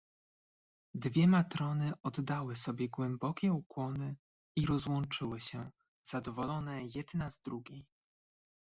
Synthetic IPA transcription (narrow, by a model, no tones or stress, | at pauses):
d̪vʲjɛmat̪ɾɔnɘʔɔd̪ːawɘsɔbʲjɛɡwɛmbɔkʲɛukwɔnɘ | iɾɔzwɔnt͡ʂɘwɘɕɛ | z̥ad̪ɔvɔlɔnɛjɛd̪nazd̪ɾuɡʲej